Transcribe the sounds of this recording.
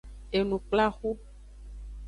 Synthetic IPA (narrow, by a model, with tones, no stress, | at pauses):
e˨nũ˨k͡pla˦xu˦